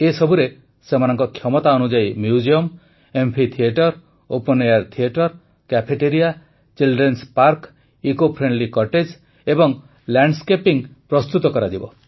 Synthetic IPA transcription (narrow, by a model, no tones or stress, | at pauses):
esɔbʱuɾe | semanɔŋkɔkʰjɔmɔt̪aɔnud͡ʒajmjud͡ʒiɔm | empʰit̪ʰieʈɔɾ | opɔnejaɾt̪ʰieʈɔɾ | kapʰeʈeɾija | t͡ʃilɖɾenspaɾk | ikopʰɾeɳɖlikɔɾʈed͡ʒ | ebɔŋ | laɳɖskepiŋpɾɔst̪ut̪ɔkɔɾad͡ʒibɔ